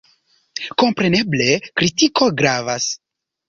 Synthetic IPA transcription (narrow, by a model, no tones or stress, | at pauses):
ko̞mpɾe̞ne̞ble̞kɾitikʰo̞ɡɾavas